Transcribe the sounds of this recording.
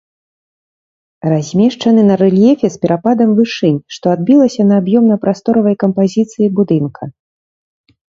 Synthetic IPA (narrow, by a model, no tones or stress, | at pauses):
razʲmʲɛʂt͡ʂɐnɨnɐɾɛlʲjɛfʲɛspʲɛɾʔapad̪ɐmvɨʂɨnʲʂt̪ɔad̪̚bʲilˠɐsʲɐnɐːbjɔmnɐpɾʔast̪ɔɾɐvɐjkɐmpazʲit̪sɨjibud̪ɨnkʰɐ